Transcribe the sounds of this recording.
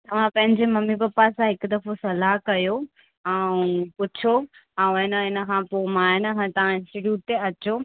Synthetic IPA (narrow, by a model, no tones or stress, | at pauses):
t̪ɐʋ̤ãpɐ̃ɦɪ̃ɲd͡ʑemɐmibɐpːasãɦɪkd̪ɐfosɐlaɦkɐjo | ɛũpʊt͡ɕʰoɛ̃ũɪnə̆ɪnə̆kʰãpomaːɪnəkãt̪ɐʋ̤ãɪ̃nsɪʈjuːʈ̚t̪eɐt͡ɕo